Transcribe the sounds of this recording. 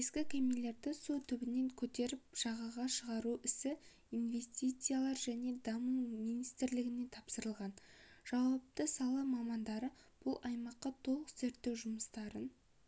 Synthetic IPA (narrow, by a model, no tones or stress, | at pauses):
eskʲɪkʲʰɵmele̞ɾd̪ɪsut̪ʰʏbɪne̞ŋkʲʰɵt̪e̞ɾɪp̚ʒ̥ɑʁɑʁɑʃəʁɑɾuʔɪsɪ | inve̞st̪ijt̪sijalˠɑɾʒæne̞d̪ɑmumijnijst̪ɪɾlɪɡʲɪne̞t̪ʰɑpsəɾəlˠʁɑnʒ̥ɑwɑp̚t̪əsɑlˠɑmɑmɑnd̪ɑɾəb̥ʊlˠʔɑjmɑqːɑt̪ʰo̞lˠəqzeɾt̪ːe̞wʒʊməst̪ɑɾən